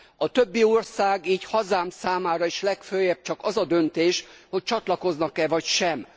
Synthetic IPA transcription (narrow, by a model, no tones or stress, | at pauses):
ɒt̪ø̞bːiorsaːɡiːchɒzaːmsaːmaːɾɒiʃlɛkføːjɛb̚t͡ʃɒkɒzɒd̪ø̞nt̪eːʃho̞c̚t͡ʃɒt̪lɒko̞znɒkɛvɒcʃɛm